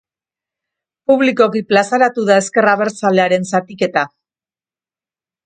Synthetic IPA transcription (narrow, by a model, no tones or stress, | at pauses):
puβliko̞kiplasaɾat̪uðae̞ske̞raβe̞ɾt͡saleaɾe̞nsat̪ike̞t̪a